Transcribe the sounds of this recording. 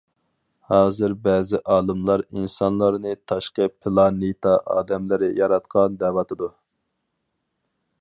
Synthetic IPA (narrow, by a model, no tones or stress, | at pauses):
hɑːzɨɾbɛːzɪʔɑːlˠɨmlˠɑɾinsɑnlˠɑɾnɨt̪ʰɑʃqəpʰɪlˠɑnit̪ʰɑʔɑ̰ːd̪ɛmlɪɾɪjɑɾɑt̪̚qʰɑnd̪ɛːvɑt̪ʰɨd̪u